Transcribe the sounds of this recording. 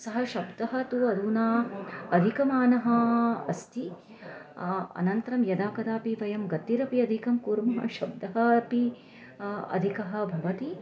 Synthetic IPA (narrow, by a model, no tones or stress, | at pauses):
sɐɦɐʃɐbd̪ɐɦɐ̆t̪uɐd̪uːnaːɐd̪ʱikɐmaːnɐɦɐɐ̰st̪i | ɐ̰nɐnt̪ɐɾɐmjɐd̪aːkɐd̪aːpiʋɐjɐmɡɐt̪ːiɾɐpiɐd̪ʱikɐmkuːɾmɐɦɐ̰ʃɐb̚d̪ɐɦɐpi | ɐ̰d̪ʱikɐɦɐ̆bʱɐʋɐt̪i